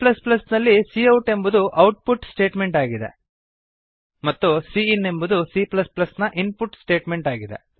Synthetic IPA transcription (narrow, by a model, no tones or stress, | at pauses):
plɐsplɐsnɐlːisiɐwʈe̞mbud̪uʔɐwʈ̚puʈsʈe̞ːʈme̞ɳʈaːɡid̪e̞̰ | mɐt̪ːusiːnːe̞mbud̪usiplɐsplɐsnɐʔinpuʈsʈe̞ːʈme̞ɳʈaːɡid̪e̞̰